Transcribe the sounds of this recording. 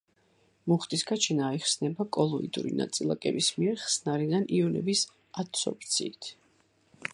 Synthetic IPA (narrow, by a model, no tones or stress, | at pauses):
muχt̪ʼisɡat͡ʃʰinaiχsnɛbakʼɔlˠɔḭd̪ʼṵɾina̰t̪sʼilˠa̰kʼɛ̰bismiɛɾχsnaɾid̪aniɔnɛ̰bis | at̪sɔ̰p̚ʰt̪sʰḭːt̪ʰ